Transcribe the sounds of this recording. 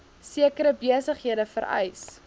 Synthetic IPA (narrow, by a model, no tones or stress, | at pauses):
siəkəɾəbiəsəχɦiədəfəɾɛ̰js